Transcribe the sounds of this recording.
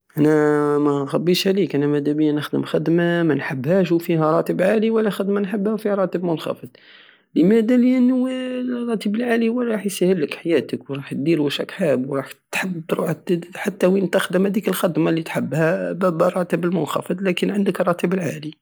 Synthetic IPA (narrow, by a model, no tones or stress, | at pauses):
ʔænæmæxæbːiʃʕlikʔænæmæd̪æbəjːænəxd̪əmxəd̪mamænħəbːhæʃ̬wfihæɾˤɑt̪əbʕaliwəlːæxəd̪mænħəbhæfihɾˤɑt̪əbmʊnxɑ̰fɨd̪̚ | ləmæd̪æliʔnː | rˤːɑt̪ibəlʕaliwəˤɾˤɑħjsæhəlːəkħajæt̪əkwɾˤɑħt̪̚d̪iɾæʃæ̰kħabwɾˤɑħt̪ħəbːtɾṵħt̪ħat̪ːæwint̪əxd̪əmhæd̪ikəlxæd̪malːit̪ħəbːhæbæbəɾˤɑt̪əbəlmʊnxɑ̰fəd̪ˤlækənʕənd̪əkrˤːɑt̪ibəlʕa̰li